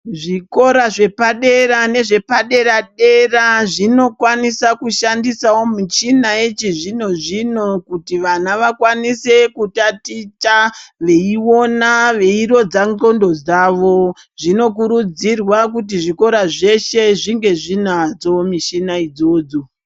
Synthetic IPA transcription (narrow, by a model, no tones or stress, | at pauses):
ʐiko̞ɾaʐe̞paɗe̞ɾane̞ʐe̞paɗe̞ɾaɗe̞raʐino̞kwanisakuʃandisawo̞mit͡ʃinaet͡ʃiʐino̞ʐino̞kutiʋanaʋakwanise̞kutatitaʋe̞iwo̞naʋe̞iɾo̞d͡zaŋɡo̞ndo̞d͡zaːʋo̞ | ʐ̥ino̞k̬uɾud͡zirwakut̬iʐiko̞ɾaʐe̞ʃe̞ʐiŋɡe̞ʐinad͡zo̞miʃinaid͡zo̞ːd͡zo